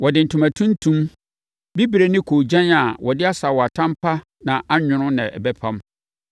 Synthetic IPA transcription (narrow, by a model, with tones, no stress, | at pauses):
wɔ˨dɪ˨n̩˨tʰʊ̃˨mã˨tʰũ˦n˦tʰũ˦m | bi˦bi˨ɾe˨nɪ̃˦kʰo˨d͡ʑã˦na˨wɔ˨dɪ˦a˦sa˨wɔ˨a˨tʰã˦mpʰa˦ | nã˨ʔa˦ɲᶣʊ̃˨ɾʊ̃˦nɪ̰̃˨ʔɛ̰˨bɛ˦pʰã˦m